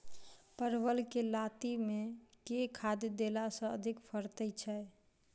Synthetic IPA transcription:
pəɾbəlkelat̪imekekʰad̪ed̪elasə̃ə̰d̪ʱikpʰəɾt̪ət͡ʃʰɛ

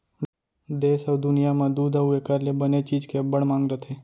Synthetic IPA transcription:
d̪esəʋd̪unijamãd̪ud̪aʋuekaɾlebənet͡ʃiːd͡ʒkebəɳmãŋɡɾət̪ʰe

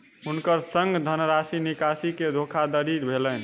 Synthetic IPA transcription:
ɦunkəɾsəŋɡd̪ʱənɾasinikasiked̪ʱokʰad̪əɾiɾbʱelɛn̆

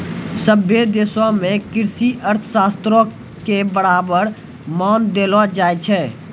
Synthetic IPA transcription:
səbʱed̪eːsomẽkɪɾsiʔəɾt̪ʰə̥saːst̪ɾõ | kebəɾaːbəɾ | maːnd̪eːlod͡ʒaːet͡ʃʰɛː

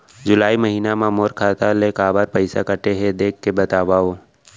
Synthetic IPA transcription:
d͡ʒʊlaːiməɦiːnamãmoːɾkʰaːt̪alekaːbaɾpəɪsakəʈeɦed̪eːkʰːebɐt̪aːʋaoː

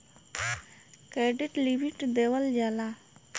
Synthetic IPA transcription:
keɖiʈlibiʈd̪ewəld͡ʒala

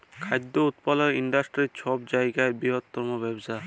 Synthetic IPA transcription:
kʰajd̪ːout̪paleɾiɳɖasʈɾit͡ɕʰɔbd͡ʑajɡaebɾiɦot̪ːɔɾmobɛbsa

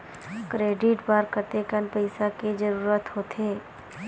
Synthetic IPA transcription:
kɾeːɖɪʈbaːɾkəɾt̪ekənpəɪsaked͡ʒəɾuːɾət̪ɦoːt̪ʰeː

